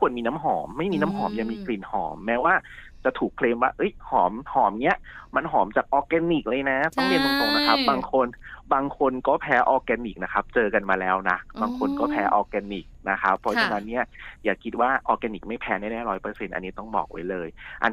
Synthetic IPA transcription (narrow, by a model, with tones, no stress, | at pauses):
kʰu˧ənmiː˧na˦˥mɦɔː˩˦mːa˥˩jmiː˧na˦˥mɦɔː˩˦mja˨˩miː˧kʰliː˨˩nhɔː˩˦mːɛː˦˥waː˥˩ | t͡ɕa˨˩t̪ʰuː˨˩kʰleː˧mwaː˥˩ʔɤ˦˥jhɔː˩˦mhɔː˩˦mni˦˥ɐʔma˧nɦɔː˩˦mt͡ɕaː˨˩k̚ʔɔː˧kɛː˧ni˨˩k̚lɤː˧jna˦˥t̪ɔ˨˩˦li˥˩t̪̚a˧˦t̪o˧ŋna˦˥kʰa˦˥p̚baː˧ŋkʰo˧nbaː˧ŋkʰo˧nkɔː˥˩pʰɛː˦˥ʔɔː˧kɛː˧ni˨˩k̚na˦˥kʰa˦˥p̚t͡ɕɤː˧ka˧nmaː˧lɛː˦˥wna˦˥baː˧ŋkʰo˧nkɔː˥˩pʰɛː˦˥ʔɔː˧kɛː˧ni˨˩k̚na˦˥kʰa̰˦˥pʰːɔ˧˥t͡ɕʰa˧na˦˥nːi˥˩ɐjaː˨˩kʰi˦˥t̪̚waː˥˩ʔɔː˧kɛ˧ni˨˩k̚ma˥˩jpʰɛː˦˥naː˥˩nɛː˥˩ɾɔː˦˥jpɤː˧se˧nʔa̰˧nːi˦˥t̪ɔ˥˩ŋbɔ̰ː˨˩k̚wa̰˦˥jlɤː˧jʔa̰˧